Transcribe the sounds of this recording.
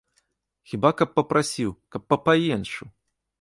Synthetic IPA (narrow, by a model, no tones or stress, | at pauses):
xʲibakɐpːɐpɾʔasʲiwkɐpːɐpajɛnʂu